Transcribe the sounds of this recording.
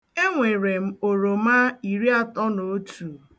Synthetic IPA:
e˦ŋʷe˨ɾe˨m̩˦o˨ɾo˨ma˦i˨ɾi˦a˦tɔ˦no˨o˦tu˨

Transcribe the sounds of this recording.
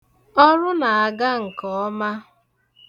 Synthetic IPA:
ɔ˦ɾʊ˦na˨a˨ɡa˦ŋ̩˨kɔ˨ɔ˦ma˦

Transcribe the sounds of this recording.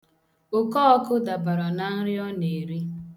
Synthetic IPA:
ʊ˨kɔ˦ɔ˦kʊ˦da˨ba˨ɾɔ˨na˨n̩˦ɾɪ˦ɔ˦ne˨ɾi˦

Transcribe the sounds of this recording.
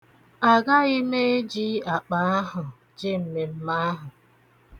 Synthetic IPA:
a˨ɡa˦ɪ˦me˦e˦d͡ʒi˦a˨k͡pa˨a˦ɦʊ˨ | d͡ʒɪ˦m̩˨me˨m̩˦ma˦a˦ɦʊ˨

